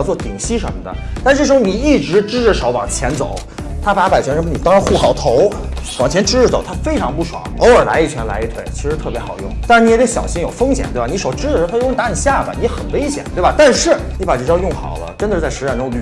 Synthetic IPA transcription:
t͡swɔ˥˩t̪i˨˩ŋɕi˥ʂə̰˧˥mə˧d̪ə̰˨t̪a˥˧ʈ͡ʂ̩˥˩ʂɻ̩˧˥xni˨˩i˥˩ʈ͡ʂɻ̩˧˥ʈ͡ʂɻ̩˥ʈ͡ʂə˧˩ʂɑ˧˥ʊwɑ̰˨˩ŋt͡ɕʰjɛ˧˥nt͡so̰˨˩˦ʊ | t̪ʰa˥pa˧˥pa˨˩t͡ɕʰɛ˧˥nʂə˧˥˩ni˨˩t̪ɑ˥ŋɻa˧˥nxu˥˩xɑ˨˩ʊt̪ʰo˧˥ʊwɑ˨˩ŋt͡ɕʰjɛ˧˥nʈ͡ʂɻ̩˥ʈ͡ʂt͡so̰˨˩ʊt̪ʰa˥fe˥ɪʈ͡ʂʰɑ˧˥ŋpu˥˩ʂwɑ̰˨˩˦o˧˥ʊə˞˨˩la̰˧˥ɪi˥˩t͡ɕʰɛ˧˥nla̰˧˥ɪi˧˥t̪ʰwe˥˩ɪt͡ɕʰi˧˥ʂɻ̩˧˥t̪ʰɤ˥˩pjɛ˧˥xɑ˨˩ʊjʊ̰˥˩ŋt̪a˥˩ɻn˧˥ɛ˧˩o˥˩ɕjɑ̰˨˩ʊɕi˧˥ŋjo˨˩ʊfɤ˥ŋɕjɛ̰˨˩nt̪wni˧˥ʂo˨˩ʊʈ͡ʂɻ̩˥˧t̪ʰa˥˧˥na˧˥ni˨˩ɕja˥˩bə̰˩ni˧˥˧xə˨˩nwe˥ɪɕjɛ̰˨˩nt̪we˥˩ba˨˩t̪a˥˧nʂɻ̩˥˩ | ni˧˥pa˨˩ʈ͡ʂ̩˥˩ʈ͡ʂjɑ˥ʊjʊ˥˩ŋxɑ̰˨˩ʊlə̰˦ʈ͡ʂə˥nd̪ə˨ʂ̩˥˧˥t͡sa˥˩ɪʂɻ̩˧˥t͡ɕa˥˧˩nʊ˥˩ly˥

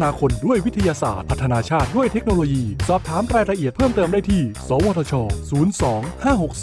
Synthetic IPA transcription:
naː˧kʰo˧ndu˥˩əjwi˦˥t̪ʰa˧jaː˧sa̰ː˨˩t̪̚pʰa˦˥t̪ʰːnaː˧t͡ɕʰaː˥˩t̪̚du˥˩əjt̪ʰe˦˥k̚noː˧loː˧jiː˧sɔː˨˩p̚t̪ʰaː˩˦mɾaː˧jɾa˧ʔi˨˩ət̪̚pʰɤː˥˩mt̪ɤː˧mdaː˥˩jt̪ʰiː˥˩sɔː˩˦wɔː˧t̪ʰɔː˧t͡ɕʰɔː˧suː˩˦nsɔː˩˦ŋhaː˥˩ho˨˩k̚ː

